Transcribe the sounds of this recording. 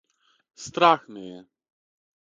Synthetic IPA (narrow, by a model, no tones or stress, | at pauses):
st̪ɾaxnɛjɛ